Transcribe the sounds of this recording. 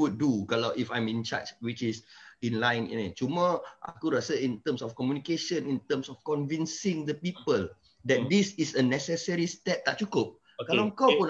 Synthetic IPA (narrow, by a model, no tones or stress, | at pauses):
wut̚dukalaʔifãj̃mĩnt͡ʃa̰t͡ʃwit͡ʃisĩnlãjnḭnãt͡ʃuməʔa̰kuɾasəĩnt̪ə̃msɔfkɔmjunikeʃə̃nĩnt̪ə̃msɔfkɔ̃nvĩnsĩŋdəpipəl | dɛt̚d̪isisənɛsɛsəɹist̪ɛp̚t̪aʔt͡ʃukop̚ | kalamkou